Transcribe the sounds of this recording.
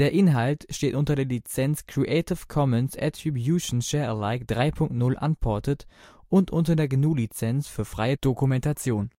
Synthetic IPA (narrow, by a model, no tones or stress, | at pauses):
d̥eːɐʔɪnɦaltʃteːtʔʊntɐdeːɐlit͡sɛnskʁ̥iʔeɪtɪfkʰɔmɛnsʔɛ̰tʁ̥ibjuʃn̩ʃɛːɐəlaɪkd̥ʁaɪpʰʊŋk̚tnʊlʔa̰npʰɔɐtətʔʊntʔʊntɐdeːɐɡnuːlit͡sɛnsfyːɐfʁ̥aɪəd̥okumɛntat͡sjoːn